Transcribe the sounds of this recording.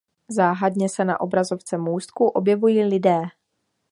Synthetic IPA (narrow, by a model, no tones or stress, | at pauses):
zaːɦadɲɛsɛna̰ʔo̞bɾazo̞ft͡sɛmuːst̪kuʔo̞bjɛvujiːlɪdɛː